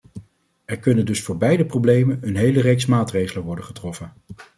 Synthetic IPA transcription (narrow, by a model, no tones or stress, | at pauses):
ɛɹkɵnəndɵsfʊːɹbɛjdəprowblejmənənɦejlərejksmaːtrejχələnʋɔɹdəχətrɔfən